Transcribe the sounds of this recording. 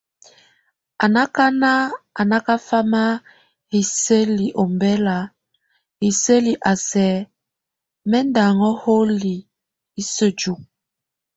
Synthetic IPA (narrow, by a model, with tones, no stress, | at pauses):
a˨na˦ka˦na˦a˨na˦ka˦fa˦ma˦ | hi˨se˦li˨ʔo˨mbɛ˦la˨ | hi˨sə˦li˨ʔa˨sɛ˨˦ | mɛ˦nda˨ŋɔ˦ho˦li˨ | i˦sə˦d͡ʒu˨k̚